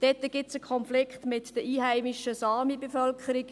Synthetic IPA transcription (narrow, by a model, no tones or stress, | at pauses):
d̥ɛt̪ːəɡ̥ɪtsəkʰɔnflɪkχtmɪtd̥əiːhæɪmɪʃəsɑːmibefœlkʰχəɾɪk